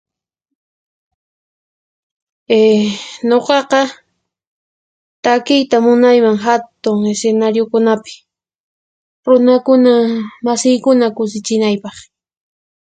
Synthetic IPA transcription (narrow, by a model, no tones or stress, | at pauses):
eɲoqɑqɑ | t̪akɪjt̪amʊnajmaŋɦat̪ʊŋesenaɾjokʊnapɪ̥ | ɾʊnakʊnamasɪjkʊnakʊsɪt͡ʃɪnajpɑχ